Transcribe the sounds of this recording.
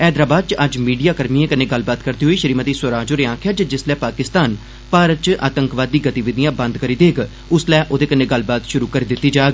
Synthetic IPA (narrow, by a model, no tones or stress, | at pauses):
ɛːd̪ɾaːbaːd̪̚t͡ʃəd͡ʒmiːɖijaːkəɾmiẽːkənẽːɡəlbaːt̪kəɾd̪iːɦoiːʃəɾiːmət̪iːsəɾaːd͡ʒoːɾeːãːkʰjaːd͡ʒd͡ʒɪslɛːpaːkɪst̪aːn | paːɾət̪̚t͡ʃʔa̰ːt̪əŋkʋaːd̪ːiːɡət̪iʋɪd̪ijãːbə̃nd̪kəɾiːd̪eːɡ | ʊslɛːʔoːd̪eːkənẽːɡəlbaːt̪ʃʊɾuːkəɾiːd̪ɪt̪ːiːd͡ʒaːɡ